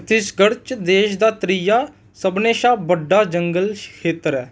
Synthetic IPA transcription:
t̪ɪʃɡəɽt͡ʃd̪eːʃd̪aːt̪ɾijaː | səbneːʃaːbəɖːaːd͡ʒəŋɡəlkʰeːt̪əɾɛː

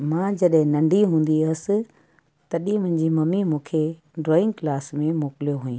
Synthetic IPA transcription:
mãd͡ʑɐɗɦɪ̃nɐ̃ɳɖʱiɦũːn̆d̪iɐsɪ̆ | t̪ɐɗĩmʊ̃ɦɪ̃ɲd͡ʑimɐmimũːkʰe | ɖɾoːɪ̃ŋɡklaːsmẽmoːkɪlijoɦuːĩː

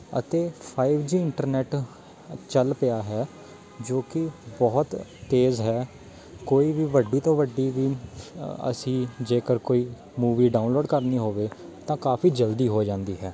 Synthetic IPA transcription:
ə̰t̪eːpʰaːɪʋd͡ʒiːɪɳʈəɾnɛːʈ | t͡ʃəlpɪjaːɦɛː | d͡ʒoːkɪbɔːt̪ːeːzɦɛː | koːiːʋiːʋəɖiːt̪õːʋəɖːiːʋiː | ə̰sĩːd͡ʒeːkəɾkoːiː | muːʋiːɖaːʊnloːɖkəɾniːɦoːʋeːt̪ãːkaːpʰiːd͡ʒəld̪iːɦoːd͡ʒãːnd̪iːɦɛː

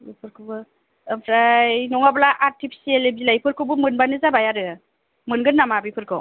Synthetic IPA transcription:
ipʰɯɾkʰɯbɯ | ɯpʰɾajnɔŋabalaʔaɾtʰipʰi̥sielebilajpʰɯɾkʰɯbɯmɯnbanɯzabajaɾɯ | mɯnɡɯnːamabipʰɯɾkʰɯw

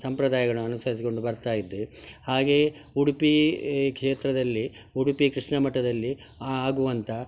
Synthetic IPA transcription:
sɐmpɾɐd̪aːjɐɡɐɭuɐnusɐɾis̬iko̞ɳɖubɐɾt̪aːjid̪ːehaːɡe̞ːuɽupikʂeːt̪ɾɐd̪ɐlːiuɽupikɾiʂɳɐmɐʈːɐd̪ɐlːi | aaːɡuʋɐnt̪ʰɐ

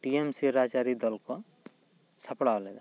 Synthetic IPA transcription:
ʈiemsiɾad͡ʒaɾid̪ɔlko | səpɽawled̪a

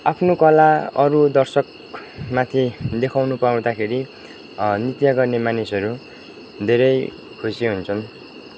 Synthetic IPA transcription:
apʰnokʌlaʌɾud̪ʌrsʌk | mat̪ʰid̪ekʰawnupaũd̪akʰeɾi | nit̪jʌɡʌrnemanisʌɾu | d̪ʱeɾʌj | kʰusiɦunt͡sʰʌn

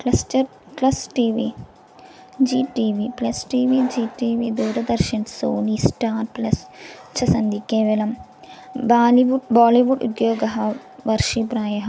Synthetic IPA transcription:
klɐst͡ʃɐɾ | plɐsʈiːʋiː | d͡ʒiːʈiːʋiplɐsʈiːʋiːd͡ʒiːʈiːʋid̪uːɾɐd̪ɐɾʃɐnsoːnisʈaːɾplɐst͡ʃʰɐsɐnd̪ikeːʋɐlɐm | baːliʋubaːliʋuɖṵd̪joːɡɐɦɐ | ʋɐɾʃipɾaːjɐɦɐ

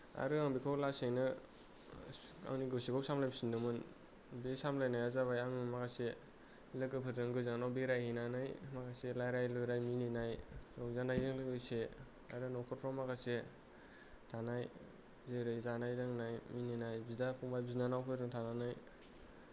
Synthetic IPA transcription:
a̰ɾɯaŋbikʰawlasejnɯ | a̰wniɡɯsekʰɔwsamlajbsindɯmɯn | besamlajnajazaβajaŋɯmakase | lɯɡɯpʰɯtɾɯŋɡɯzaanawbeɾajhinanɯjmakaselajɾajlɔjɾajmininajɾɔŋzanajɯŋlɯɡɯjse | aɾɯnɔkʰɯɾpʰɾamakase | tʰanaj | zɯjɾɯjzanajɾɯŋnajmininajbidapʰɔŋbajbzinanawpʰɯjɾɯŋtʰananaj

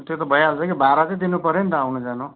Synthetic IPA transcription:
t̪jot̪ʌbʱʌjaɦalt͡sʰʌkibaɾat͡sʌĩd̪inupʌɾjent̪ʌawnud͡zanũ

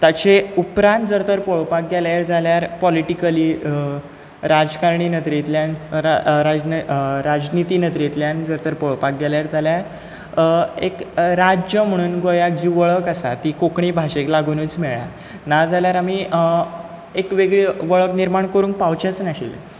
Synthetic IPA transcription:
t̪at͡ɕeupɾãnt̪d͡zəɾt̪əɾpɔɭpak̚ɡeljaɾd͡zaljaɾpɔliʈikəliː | ɾad͡zkaɾɳiːnət̪ɾit̪ljãnɾad͡znɾad͡znit̪iːnət̪ɾit̪ljand͡zəɾt̪əɾpoɭopak̚ɡɛljaɾd͡zaljaɾ | ekɾad͡ʑjəm̤əɽ̃uːnɡojak̚d͡ʑiːʋəɭəkasa̰t̪iːkokɳibʱaɕeklaɡunuːt͡smɛɭa | nad͡zaljaɾami | ekʋeɡɭeʋəɭəkniɾmaɳkəɾuːnk̚pawt͡ɕat͡snaɕḭlḛ

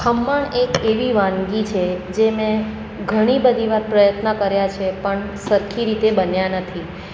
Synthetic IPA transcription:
kʰəmːəɳekeʋiʋãŋɡit͡ʃʰed͡ʒemẽ | ɡʱəɽ̃ibəd̪ʱiʋaɾpɾəjət̪nəkəɾjat͡ʃʰepəɳsəɾkʰiɾit̪ebənjanət̪ʰi

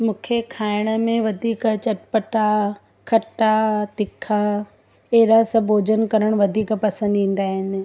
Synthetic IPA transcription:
mũːkʰekʰaːɪɽ̃ə̆mẽʋɐd̪ʱiːkt͡ɕɐʈpəʈa | kʰɐʈat̪ɪkʰa | eɦɾasɐbʱoːd͡ʑənkɐɾəɽ̃ʋɐd̪ʱiːkpɐsə̃nd̪ĩːn̆d̪aːɦɪnɪ̆

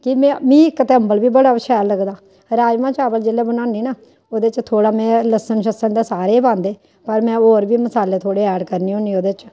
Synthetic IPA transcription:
kɪmɛ̃ːmĩːɪkt̪ɛːmbəlʋiːbəɽaːʃɛːlːəɡd̪aː | ɾaːd͡ʒmãːt͡ʃaːbəld͡ʒeːleːbənãːniːna | oːd̪eːt͡ʃt̪ʰoːɽaːmɛ̃ːləsənʃəsənd̪eːsaːɾeːbãːnd̪eː | pəɾmɛ̃ːoːɾʋiːməsaːleːt̪ʰoːɽeːɛːɖkəɾniːõːniːoːd̪eːt͡ʃ

